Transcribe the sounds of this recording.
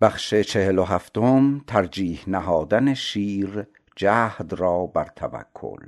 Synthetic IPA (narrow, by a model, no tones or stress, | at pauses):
b̥æxʃe̞t͡ʃʰe̞heloɦæft̪omt̪ʰæɾd͡ʒiːhnæɦɒːd̪æneʃiːɾ | d͡ʒæːhd̪ɾɒːbæɾt̪ʰæ̰væ̰kʰːo̰l